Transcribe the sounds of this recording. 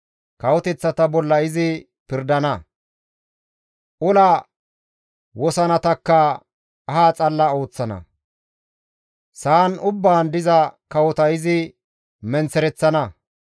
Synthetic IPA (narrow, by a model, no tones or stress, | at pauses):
kɐwɔt̪ɛt͡sːɐt̪ɐbɔlːɐɪzɪ | pɪɾd̪ɐnɐ | ʔʊlɐ | wɔsɐnɐt̪ɐkːɐː | ɦaːt͡sʼɐlːɐo̞ːt͡sːɐnɐ̰ | saːnʊbːaːnd̪ɪzɐkɐwɔt̪ɐɪzɪ | mɛnt͡sɛɾɛt͡sːɐnɐ